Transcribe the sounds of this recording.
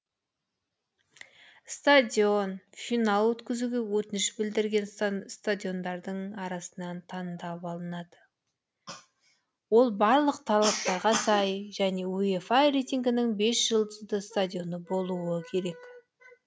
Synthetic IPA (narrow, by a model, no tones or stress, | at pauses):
st̪ad̪ʲio̞nfinɑlˠwɵt̪kʲɪzuɡʲe̞wɵt̪ɪnɪʃbɪld̪ɪɾɡʲe̞nst̪ad̪ʲio̞nd̪ɑɾd̪əɴɑɾɑsənɑnt̪ʰɑnd̪ɑpɑlˠənɑd̪ə | wo̞lˠbɑɾlˠəqt̪ʰɑlˠɑp̚t̪ɑɾʁɑsɑjʒæne̞uefajɾejt̪ʲiŋɡʲɪnɪŋbe̞sʒ̥əlˠd̪əzd̪əst̪adʲjo̞nəbo̞lˠuəkʲʰe̞ɾe̞k